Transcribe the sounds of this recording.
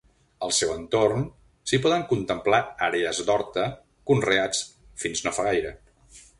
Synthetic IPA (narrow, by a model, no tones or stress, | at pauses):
əlˠsɛwənt̪orn | sipɔðəŋkunt̪əmplaaɾeəzd̪ɔɾt̪ə | kunreat͡s | finznofaɣajɾə